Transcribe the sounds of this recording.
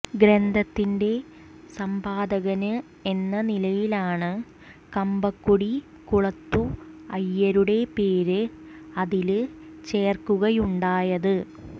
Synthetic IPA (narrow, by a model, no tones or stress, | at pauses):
ɡɾend̪ʱɐt̪ːinde̞ | sɐmpaːd̪ɐɣɐnɨ | e̞nːɐnilɐjilaːɳɨ | kɐmbɐkːuɽi | kuɭɐt̪ːuɐjːɐɾuɽe̞pe̞ːɾɨ | ɐðil | t͡ɕe̞ːrkuɣɐjuɳɖaːjɐðɨ